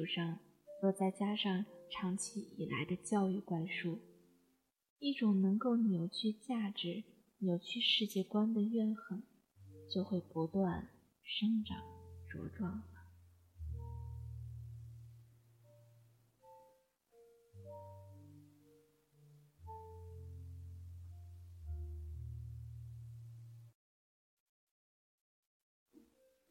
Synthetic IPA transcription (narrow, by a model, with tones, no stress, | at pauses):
u˨˩ʂɑ˥˧ŋ | lwɔ˥˧t͡sa˥˩ɪt͡ɕja˥ʂɑ˥˩ŋʈ͡ʂʰɑ˧˥ŋt͡ɕʰi˧˥ʔi˨˩la̰˧˥ɪd̪ə˧t͡ɕjɑ˥˧ʊy˥˧kwa˥˧nʂu˥˩ | i˥˩ʈ͡ʂʊ˨˩ŋnɤ˧˥ŋko˥˩ʊnjo˨˩ʊt͡ɕʰy˥˧t͡ɕja˥˩ʈ͡ʂɻ̩˧˥ | njo˨˧˩ʊt͡ɕʰy˥˧ʂɻ̩˥˧t͡ɕjɛ˥˩kwa˥nd̪ə˨ɥɛ˥˩nxə˨˩˦ŋ | t͡ɕjo˥˧ʊxwe˥˩ɪpu˧˥t̪wa˥˩n | ʂɤ˥ŋʈ͡ʂɑ̰˨˩˦ŋʈ͡ʂṵ˧˥ʈ͡ʂwɑ˥˩ŋlə˩˦